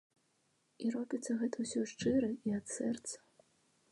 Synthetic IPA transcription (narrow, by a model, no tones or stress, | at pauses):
irɔbʲit̪sːɐɣɛt̪ʰɐwsʲɔʂt͡ʂɨɾɐiat̪sɛrt̪sɐ̥